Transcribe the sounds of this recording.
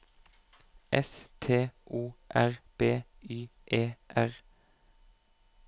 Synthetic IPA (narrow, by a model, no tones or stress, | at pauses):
ʔɛst̪ʰeːʔuːʔæʁb̥eːyːʔeːʔæʁ